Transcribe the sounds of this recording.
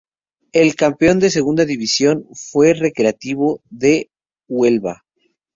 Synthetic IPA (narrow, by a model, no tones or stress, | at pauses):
e̞lkampeo̞nd̪e̞se̞ɣ̞und̪aðiβisjo̞nfwe̞re̞kɾe̞at̪iβo̞ðe̞ | we̞lβa̰